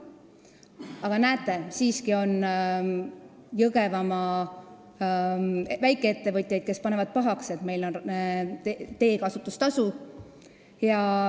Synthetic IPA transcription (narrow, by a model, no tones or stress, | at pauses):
ɑɡ̥ɑnæːt̪ːˑe̞siːskio̞n | jɤɡ̥e̞vɑmɑ | væjkːˑee̞t̪ːevɤt̪ʲˑjɑjd̪̚ke̞spɑne̞vɑd̪̥̚pɑɦɑkse̞t̪me̞jlo̞n | t̪e̞ːkɑsut̪ːˑust̪ɑsu | jɑ